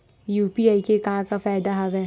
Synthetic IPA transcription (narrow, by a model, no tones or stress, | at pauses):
juːpiaːikekaɦãkafaːɪd̪aɦaʋɛ